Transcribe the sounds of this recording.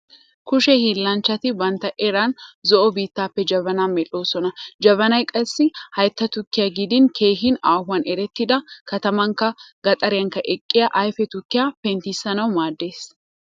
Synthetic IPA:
kʊʃɛhiːlːɐnt͡ʃːɐt̪ɪbɐnt̪ɐʔɛɾanzɔʔɔbiːt̪ːaːpːɛd͡ʒɐβɐnaːnmːɛloːsɔnɐd͡ʒɐβɐnɐjkʼɐsːɪhɐjt̪ːɐt̪ʊkːɪjɐɡɪd̪ɪnkʰeːɦɪnaːhʊɐnɛɾɛt̪ːɪd̪ɐkɐt̪ɐmɐŋkɐɡ̥ɐt̪ʼɐɾɪjɐŋkɐʔɛkʼːɪjɐʔɐjfɛt̪ʊkːɪjɐfɛnt̪isːɐnɐwmaːd̪ːeːs

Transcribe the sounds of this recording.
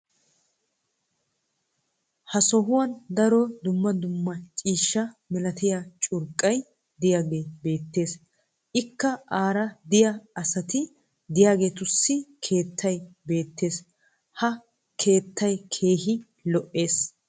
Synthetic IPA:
hɐsɔɦʊwɐnd̪ɐɾɔd̪ʊmːɐd̪ʊmːɐt͡ʃʼiːʃːɐmɪlɐt̪ɪjaːt͡ʃʼʊɾkʼːɐj | d̪ɪjaːɡe̞ːbe̞ːt̪ːe̞ːs | ʔɪkːɐaːɾɐd̪ɪjaɐsɐt̪ɪ | d̪ɪjaːɡe̞ːt̪ʊsːɪkʰe̞ːt̪ʰːɐjbe̞ːt̪ːe̞ːs | hɐ | kʰe̞ːt̪ʰːɐjkʰe̞ːɦɪ | lɔʔːe̞ːs

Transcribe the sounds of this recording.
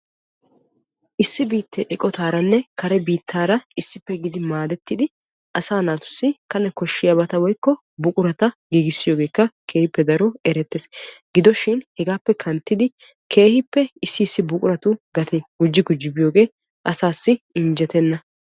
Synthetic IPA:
ʔɪsːɪbiːt̪ːeʔɛkʼɔt̪aːɾɐnːɛkɐɾɛbiːt̪ʰːaːɾɐɪsːɪpːɛɡɪd̪ɪmaːd̪ɛt̪ːɪd̪ɪ | ʔɐsaːnaːt̪ʊ̥sːɪkɐnːɛkɔʃːɪjɐbɐt̪ɐwɔjkːɔ | bʊkʼʊɾɐt̪ɐɡiːɡɪsːɪjo̞ːɡe̞ːkːɐkʰe̞ːhɪpːɛd̪ɐɾɔɛɾɛt̪ːeːsɡɪd̪ɔʃɪnhɛɡaːpːɛkʰɐnt̪ːɪd̪ɪ | kʰe̞ːhɪpːɛɪsːɪːsːɪbʊkʼʊɾɐt̪ʊɡɐt̪eɡʊd͡ʒːɪɡʊd͡ʒɪbɪjo̞ːɡe̞ː | ʔɐsaːsːɪɪnd͡ʒɛt̪ɛnːɐ

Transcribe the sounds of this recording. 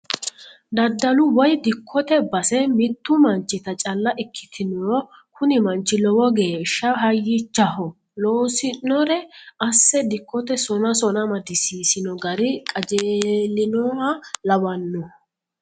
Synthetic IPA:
d̪ɐd̪ːɐlʊwɔjd̪ɪkʰːɔt̪ɛbɐsɛmɪt̪ːʊmɐnt͡ʃːɪt̪ɐt͡ʃʼɐlːɐʔɪkʰːɪ̥t̪ʰɪnɔːkʊnɪmɐnt͡ʃːɪlɔwɔɡe̞ːʃːɐɦɐjːɪt͡ʃːɐhɔ | loːsɪnnɔɾɛɐsːɛd̪ɪkːɔt̪ɛsɔnɐsɔnɐmɐd̪ɪsiːsɪnɔɡɐɾɪkʼɐd͡ʒeːlːɪnɔhɐlɐwɐnːɔ

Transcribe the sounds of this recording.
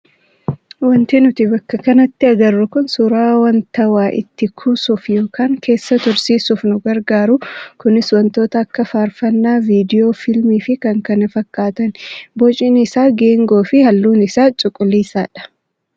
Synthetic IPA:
wɐnt̪ɪnʊt̪ɪbɐkːɐkɐnɐt̪ːɪɐɡɐrːʊkʊnsʊɾaːwɐnt̪ɐwaːʔɪ̰t̪ːɪkʰusʊfjo̞ːkʰaːŋkʰe̞ːsːɐt̪ʊɾsiːsʊfnʊɡɐɾɡaːɾʊkʊnɪswɐnt̪o̞ːt̪ɐkːɐfaːɾfɐnːaːviːd̪ɪjo̞ːfɪlmiːfɪkɐŋkɐnɐfɐkːaːt̪ɐnbɔt͡ʃʼɪnɪsaːɡe̞ːŋɡo̞ːfɪhɐlːuːnɪsaːt͡ʃʼʊkʼːʊlːiːsaːᶑɐ̥

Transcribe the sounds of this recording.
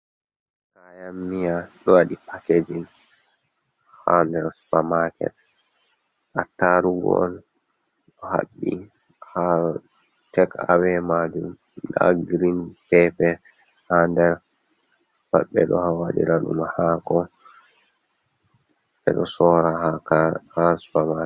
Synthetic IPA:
kajamːijaɗɔwaɗipʰaked͡ʒin | ha̰ndɛɾspamakɛ̰t | ʔataɾuɡɔ̰l | ɗɔha̰ɓːḭ | ha | tɛkawɛmad͡ʒum | la̰ɡɾinpɛpɛ | handɛɾ | ba̰ɓɛ̰ɗɔhawaɗḭɾaɗṵmahakɔ | ɓɛ̰ɗɔsɔɾahakakaspama

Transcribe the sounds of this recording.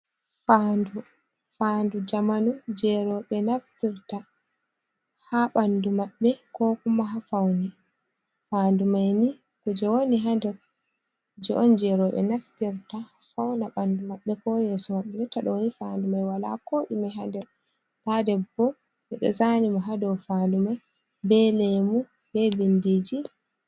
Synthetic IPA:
fandu | faːndud͡ʒamanud͡ʒɛɾɔɓɛnaftiɾta | haɓandumaɓːɛkɔkumaɦafawni | faːndumajni | kud͡ʒɛwoniɦandɛɾ | d͡ʒɔʔɔnd͡ʒɛɾɔɓɛ̰naftiɾtafawnaɓandumaɓːɛkɔjeːsumaɓːɛɡɛtːaɗɔwonifandumajwala̰koɗimaɦandɛɾ | tadɛbːɔ | ɓɛɗɔ̰zanimaɦadɔwfaːndumaj | bɛlemu | bɛbindid͡ʒi

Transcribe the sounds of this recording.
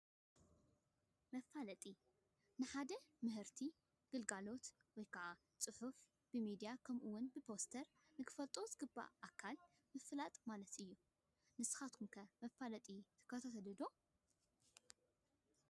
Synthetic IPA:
mɐfalɐt̪ʼi | nɨħad̪ɐmɨɦɨɾt̪ʰi | ɡ̥ɨlɡalo̞t̪wɔjkʰaʔa | t͡sʼɨħʊf | b̥ɨmid̪ijakʰɐmʔuwʊnbɨpʰo̞st̪ʰɐɾ | nɨkʰɨ̥fɐlt̪ʼo̞zɨɡɨbːa̰ʔakʰːal | mɨfɨlat̪ʼmalɐt̪ɨjːu | nɨsɨ̥xat̪kʰumkʰɐmɐfːalɐt̪ʼit̪ʰɨ̥kːat̪ʰat̪ʰɐd̪ɨd̪o̞

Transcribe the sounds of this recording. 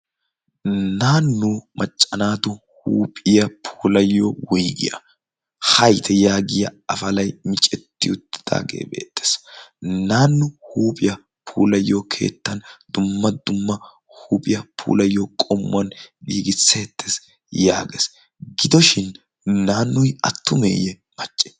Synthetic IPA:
naːnːuːmʔɐt͡ʃʼːɐnaːt̪ʊ | huːpʼɪjɐpʰuːlɐjːowɔjɡɪ̰jɐ̰ | hɐjt̪ʰɛjaːɡɪjɐɐfɐlɐjmɪt͡ʃʼɛt̪ːɪjʊt̪ːɪ̥d̪̥a̰ːɡe̞̰ːbe̞̰ːt̪ːe̥ːsnaːnːʊhuːpʼɪjɐ | pʰuːlɐjːoːkʰe̞̰ːt̪ːɐnd̪̥ʊmːɐd̪̥ʊmːɐ | huːpʼɪjɐpʰṵːlɐjːoːkʼɔmːʊ̰ɐnɡiːɡɪt͡sːet̪ːes | ja̰ːɡes | ɡɪd̪ɔʃɪn | naːnːʊjɐt̪ːʊmḛːjɛ | mɐt͡ʃʼːe

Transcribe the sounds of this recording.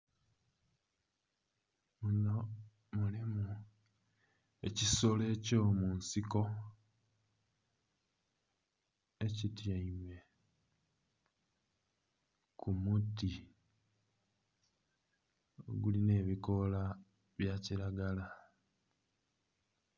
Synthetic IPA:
muno | mulimu | e̞cisole̞ːco̞ːmuːnsiko̞ | e̞citjaime̞ | kumuti | o̰ɡuline̞ːβiko̞la | βjaciɾaɡala

